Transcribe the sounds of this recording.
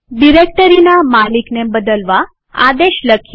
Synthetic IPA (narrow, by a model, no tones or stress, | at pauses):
ɖiɾek̚ʈəɾinamaliknebəd̪əlʋa | ad̪eɕləkʰː